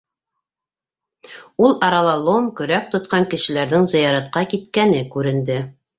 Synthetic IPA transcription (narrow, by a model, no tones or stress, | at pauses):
ulˠɑɾɑlˠɑlˠomkɵ̆ɾæk̚t̪ŏt̪qɑŋkɘ̆ʃɘ̆læɾðɘŋzɤ̆jɑɾɑt̪qɑkit̪kænɘkʉɾɘ̆nd̪ɘ